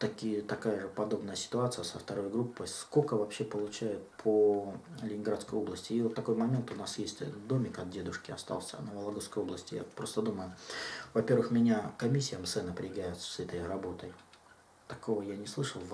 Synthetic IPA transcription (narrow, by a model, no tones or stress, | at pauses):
t̪ɐkʲijət̪ɐkajəʐɨpɐd̪o̞bnəjəsʲɪ̥t̪ʊat̪sɨjəsəft̪ɐɾo̞jɡɾupːəjskokəvɐpɕːepəlˠʊt͡ɕæjʊt̪̚pʰolʲɪnʲɪnɡɾat̪skəjo̞blˠəsʲtʲɪːot̪ːɐko̞jmɐmʲe̞nt̪ʊnasjesʲtʲd̪o̞mʲɪkɐt̪̚dʲe̞d̪ʊʂkʲɪɐ̰st̪a̰lˠsʲə̰nəvəlˠɐɡoskəjo̞blˠəsʲtʲɪja̰pɾo̞st̪əd̪uməjʊvɐpʲe̞rvɨxmʲɪnʲakɐmʲisʲːɪjəmsɛnəpɾʲɪɪɡæjʊt̪sɛt̪əjrɐbo̞t̪əj | t̪ɐko̞vəjanʲɪslˠɨʂəlˠ